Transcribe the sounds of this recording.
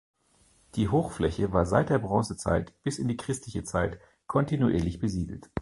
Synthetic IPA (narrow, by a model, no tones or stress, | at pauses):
d̥iːɦoːxflɛçəvaːɐzaɪt̚d̥eːɐbʁɑ̃ːsət͡sa̰ɪtb̥ɪsɪndiːkʁ̥ɪstʰlɪçət͡saɪt | kʰɔntinuʔiːɐlɪçb̥əziːdl̩t